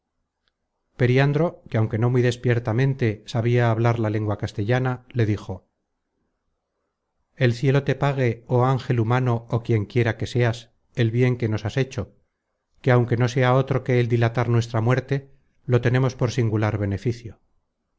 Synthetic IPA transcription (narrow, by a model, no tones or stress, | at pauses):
pe̞ɾiand̪ɾo̞keawŋke̞no̞miðe̞spje̞ɾt̪amẽ̞nt̪e̞saβ̞iaːβlaɾlale̞ŋɡwakast̪e̞ʎanale̞ðixo̞ | e̞lθje̞lo̞t̪e̞paɣ̞e̞oaŋxe̞lumano̞ːkje̞ŋkje̞ɾake̞se̞as | e̞lβje̞ŋke̞no̞sase̞t͡ʃo̞ | ke̞awŋke̞no̞se̞ao̞t̪ɾo̞ke̞ːld̪ilat̪aɾnwe̞s̬t̪ɾamwe̞ɾt̪e̞ | lo̞t̪e̞ne̞mo̞spo̞ɾsiŋɡulaɾβe̞ne̞fiθjo